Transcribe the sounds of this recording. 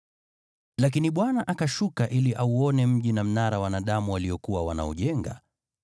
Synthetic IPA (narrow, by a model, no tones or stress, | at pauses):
lak̬iniɓwanaʔakaʃukaʔiliʔauɔnɛm̩ʄinam̩naɾawanaɗamuwaliɔkuwawa̰na̰ɔ̰ʄɛŋɡa̰